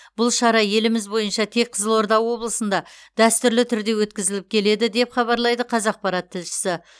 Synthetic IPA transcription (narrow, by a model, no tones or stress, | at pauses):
b̥ʊlˠʃɑɾɑje̞lɪmɪzbo̞jənʃɑt̪ʰe̞k̚qʰəzəlˠo̞ɾd̪ɑwwo̞blˠəsənd̪ɑd̪̥æst̪ʏɾlɪt̪ʰʏɾd̪e̞wɵt̪kʲɪzɪlɪp̚kʲʰe̞le̞d̪ɪd̪e̞pχɑβɑɾlˠɑjd̪əqʰɑzɑq̚pɑɾɑt̪ʰːɪlʃɪ̥sɪ